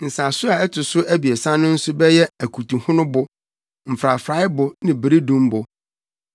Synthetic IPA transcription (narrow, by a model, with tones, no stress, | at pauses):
n̩˨sa˨sʊ˦a˨ɛ˦tʰʊ˨sʊ˦ʔæ˦bi˨ɛ˨sã˦nʊ̃˦n̩˦sʊ˦bɛ˦jɛ˦æ˨kʰu˨tũ˨hʊ̃˦nʊ̃˦bʊ˨ | m̩˨fɾa˨fɾa˨˦ɪ˦bʊ˨˦nɪ̃˨bɾi˦dũ˦mbʊ˨